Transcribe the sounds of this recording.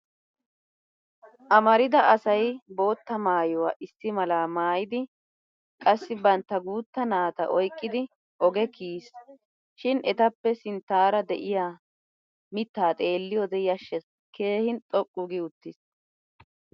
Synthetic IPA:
ʔɐmɐɾɪd̪ɐɐsɐjbo̞ːt̪ːɐmaːjɔwa̰ːʔɪsːɪmɐlaːmaːjɪd̪ɪ | kʼɐsːɪbɐnt̪ːɐɡuːt̪ːɐnaːt̪ɐ̰ʔɔjkʼːɪd̪ɪ | ʔɔɡɛkiːs | ʃɪnʔɛt̪ɐpːɛsɪnt̪ːaːɾɐd̪ɛʔɪjaː | mɪt̪ːaːt̪ʼe̞ːlːɪjɔd̪ɛɪjɐʃːɛ | ke̞ːhɪnt̪ʼɔkʼːʊɡɪʊt̪ːɪs

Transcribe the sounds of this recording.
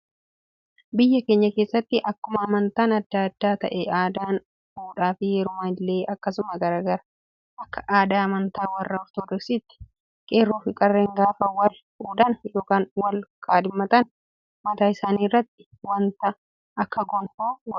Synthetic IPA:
bɪjːɐke̞ːɲːɐke̞ːsːɐt̪ːɪʔɐkːʊmɐːmɐnt̪aːnɐd̪ːaːd̪̥ːaːt̪ɐʔɛaːd̪aːn | huːᶑaːfɪjɛɾʊmaːɪlːe̞ːʔɐkːɐsʊmɐɡɐɾaːɡɐɾɐ | ʔɐkːɐ̥ʔaːd̪aːɐmɐnt̪aːwɐrːɐɔɾt̪ɔd̪ɔksɪt̪ːɪ̥ | kʼe̞ːrːoːfɪkʼɐrːeŋɡaːfɐwɐl | uːᶑɐnjoːkaːnwɐlkʼaːd̪ɪmːɐt̪ɐn | mɐt̪aːɪsaːniːrːɐt̪ːɪ̥ | wɐnt̪ɐ | ʔɐkːɐɡɔnhoːɡɔ̥

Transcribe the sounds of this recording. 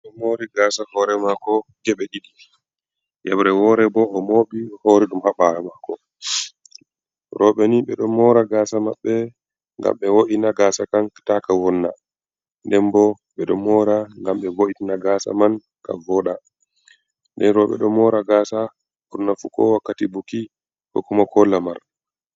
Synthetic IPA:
ɗɔmoɾiɡasahɔɾɛmakɔd͡ʒɛɓɛɗiɗi | jɛ̰bɾɛwɔɾɛbɔːmoɓihoːɾɛɗumhaɓaɾamakɔ | ɾʔɔɓɛniɓɛɗɔmɔɾaɡaːsamaɓːɛ | ŋɡa̰mɓɛwoʔinaɡaːsakanktakawɔnːa̰ | ndɛmbɔ | ɓɛɗɔmɔɾaŋɡamɓɛwoʔitinaɡasa̰man | ka̰vɔɗa | ndɛnɾɔɓɛ̰ɗɔmɔɾaɡaːsa | uɾnafukɔ̰wakːatibuki | kɔkːumakʰɔlːamaɾ

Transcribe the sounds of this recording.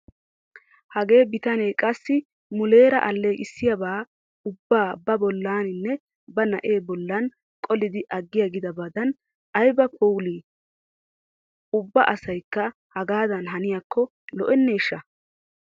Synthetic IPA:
hɐɡe̞ːbɪt̪ɐnejkʼɐsːɪ | mʊle̞ːɾɐʔɐlːeːʔɪsːɪjɐbaː | ʊbːaːbɐbɔlːaːnɪnːɛ | bɐnɐ̰ʔe̞ːbɔlːɐn | kʼɔlɪd̪ɪʔɐɡːɪjɐɡɪd̪ɐbɐd̪ɐn | ɐjbɐkʰʼuwliː | ʊbːɐʔɐsɐjkːɐ | hɐɡaːd̪ɐnɦɐnɪjakːɔ | lɔʔɛnːe̞ːʃːɐ

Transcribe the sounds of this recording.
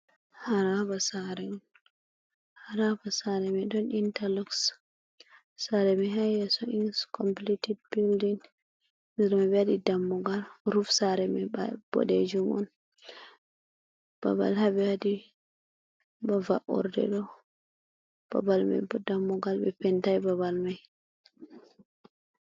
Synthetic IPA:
haɾabasaɾɛ | haɾabasaɾɛmɛɗɔnintalɔks | saɾɛmɛɦajɛsɔinskɔmplitidbildin | nɛɾmɛbɛadidamːɔɡalɾufsaɾɛmɛb̥ɔ̰ɗɛd͡ʒumɔ̰n | b̥a̰ba̰lhabɛhadi | bavaʔɔ̰ɾdɛ̰ɗɔ | b̥a̰balma̰bdamːɔɡalbɛpɛntajbabalmaj

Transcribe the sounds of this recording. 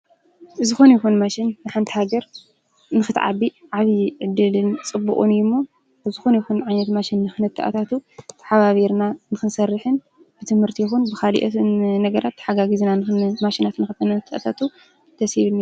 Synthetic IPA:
ʔɨzɨxunjɛxunmaʃinnɨħant̪ʰi̥haɡɐɾ | nɨxɨt̪ʕa̰biʕaβiʕɨd̪ɨlɨnt͡sʼɨbːukʼṵnjmːo | ɨzɨxunjɛxunʕajnɐt̪maʃinːɨxɨnɐt̪ʰːaʔa̰t̪ʰat̪ʰut̪ʰɐ̥ħaβaβiɾnanɨxɨnsɐrːɨħɨn | b̥ɨt̪ʰɨmhɨɾt̪ʰijɛxunbɨxalḭʔnɐɡɐɾat̪ːħaɡaɡizinanɨmaʃinat̪nɨxɨt̪ʰɨnɐt̪ʰːɐʔat̪ʰat̪ʰu | t̪ʰɐshiβɨni

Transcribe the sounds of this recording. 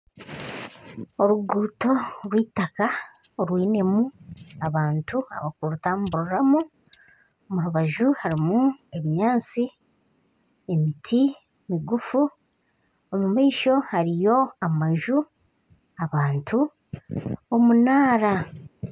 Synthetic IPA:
o̞ɾuɡuːto̞ɾwiːtaka | oɾwiːne̞muaβaːntua̰βakuɾutaːmubuɾuɾamu | omuɾuβaʒuhaɾimue̞βiɲaːnt͡si | e̞mitʰi | emiɡufu | omumaiʃo̞haɾijo̞amaʒu | aβaːntʰu | omunaːɾa

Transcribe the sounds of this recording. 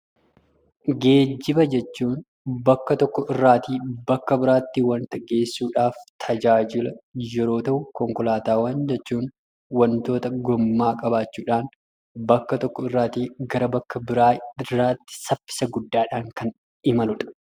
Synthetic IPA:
ɡe̞ːd͡ʒːɪbɐd͡ʒɛt͡ʃːuːn | bɐkːɐt̪ɔkːɔɪrːaːt̪iːbɐkːɐbɪɾaːt̪ːɪwɐnt̪ɐɡe̞ːsːuːᶑaːft̪ʰɐd͡ʒaːd͡ʒɪlɐjɛɾo̞ːt̪ɐʔʊkɔŋkɔlaːt̪aːwaːnd͡ʒɛt͡ʃːuːn | wɐnt̪o̞ːt̪ɐɡɔmːaːkʼɐbaːt͡ʃːuːᶑaːn | bɐkːɐt̪ɔkːɔɪrːaːt̪iːɡɐɾɐbɐkːɐbɪɾaːɪrːaːt̪ːɪ̥sɐfːɪ̥sɐɡʊd̪ːaːᶑaːŋkɐn | ɪmɐlʊᶑɐ̥

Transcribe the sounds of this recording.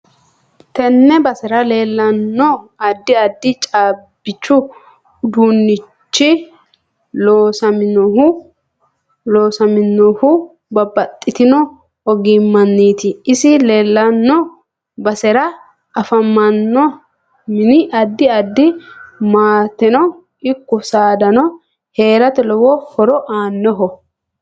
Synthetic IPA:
t̪ɛnːɛbɐsɛɾɐle̞ːlːɐnːɔɐd̪ːɪɐd̪ːɪt͡ʃʼaːb̥ːɪt͡ʃːʊ | d̪unːɪt͡ʃːɪ | loːsɐmɪnɔhʊ | loːsɐmɪnːɔhʊ | bɐbɐt̪ʼːɪt̪ɪnɔ | ɔɡɪmːɐnːiːt̪ɪɪsɪlɛlːɐnːɔ | bɐsɛɾɐ | ɐfɐmːɐnːɔ | mɪnɪʔɐd̪ːɪɐd̪ːɪmaːt̪ɛnɔ | ɪkːɔsaːd̪ɐnɔ | he̞ːɾɐt̪ɛlɔwɔhɔɾɔʔaːnːɔɦɔ

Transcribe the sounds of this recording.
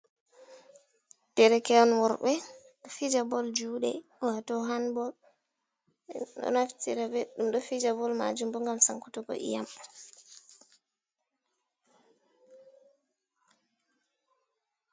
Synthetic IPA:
tɛɾɛkɛɔnwɔɾbɛ | ɗɔfid͡ʒabɔld͡ʒuːɗɛ̰watɔɦanbɔl | ɗɔ̰naftiɾabɛɗumɗɔfid͡ʒabɔlma̰d͡ʒumbɔŋɡamsaŋkutuɡɔ̰ʔḭjam

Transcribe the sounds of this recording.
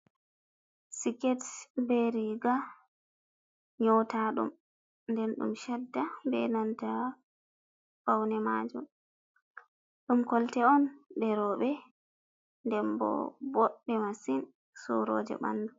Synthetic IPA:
sikɛtbɛɾiɡa | ɲɔwtaɗṵm | ndɛnɗṵmʃɛdːabɛnanta | fawnɛmad͡ʒṵm | ɗumkɔltɛɔnbɛɾɔɓɛ | ndɛmbɔ̰bɔɗːɛmasin | sɔ̰ɾɔ̰ːd͡ʒɛ̰ɓa̰ndu

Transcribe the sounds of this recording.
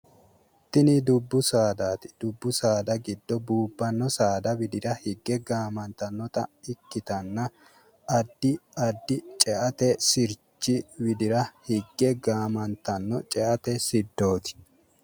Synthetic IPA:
t̪ːɪnɪd̪ʊbːʊsaːd̪aːt̪ɪ̥d̪̥ʊbːʊsaːd̪ɐɡɪd̪ːɔbuːbːɐnːɔsaːd̪ɐbɪd̪ɪɾɐhɪɡːɛɡaːmɐnt̪ɐnːɔt̪ʼɐɪkːɪt̪ɐnːɐ | ɐd̪ːɪɐd̪ːɪt͡ʃʼɛʔɐt̪ɛsɪɾt͡ʃːɪwɪd̪ɪɾɐhɪɡːɛɡaːmɐnt̪ɐnːɔt͡ʃʼɛʔɐt̪ɛsɪd̪ːo̞ːt̪ɪ̥

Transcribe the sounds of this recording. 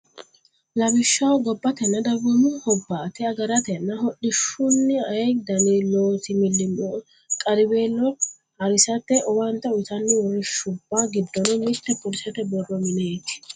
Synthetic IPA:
lɐbɪʃːɐwɡɔbːɐt̪ɛnːɐd̪ɐbɔmʊhɔbːaːt̪ɪɐɡɐɾɐt̪ɛnːɐɦɔɗɪʃʊnːɪɐɛd̪ɐniːloːt̪ɪmɪlːɪmo | kʼɐɾɪbeːlːɔ | ɐɾɪsɐt̪ːɛʔɔwɐnt̪ɐʊt̪ɐnːɪwɔɾɪʃʊbːaɡɪd̪ːɔnɔmɪʃt̪ːɛpʊlɪsɐt̪ɛbɔrːɔmɪneːkː

